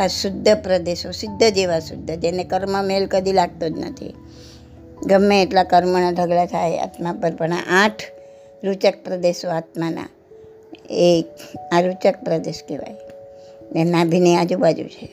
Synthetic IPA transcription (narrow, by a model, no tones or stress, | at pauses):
asʊd̪ʱːəpɾəd̪eʃosɪd̪ʱːəd͡ʒeʋasʊd̪ʱːəd͡ʒenekəɾməmelkəd̪ʱilaɡ̚t̪od͡ʒnə̰t̪ʰḭ | ɡəmːeːʈlakəɾmənad̪ʱəɡlat̪ʰaja̰t̪mapəɾpəɳa̰ʔaʈʰ | ɾut͡ʃək̚pɾəd̪eʃoat̪mana̰ | eaɾut͡ʃək̚pɾəd̪eʃkeʋa̰j | enãbʱinead͡ʒubad͡ʒṵt͡ʃʰe